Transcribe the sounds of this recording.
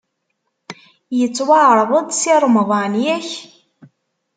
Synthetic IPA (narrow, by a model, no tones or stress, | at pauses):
jət͡sːwaʕɾˤðˤəd̪ˤsiɾˤmðˤɑnjæç